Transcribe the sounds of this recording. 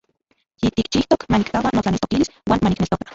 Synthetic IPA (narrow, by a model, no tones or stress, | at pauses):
jit̪ikt͡ʃiht̪okmanikkawanot͡ɬanelt̪o̥kiliswaːnmaniknelt̪okḁ